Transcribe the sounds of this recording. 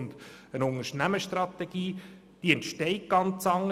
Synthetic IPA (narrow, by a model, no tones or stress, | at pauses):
nd̪ənʊŋəʃnæməʃtrɑt̪eɡ̥iː | d̥iɛntʃtɛɪk̚ɡ̥ɑnt͡sɑŋə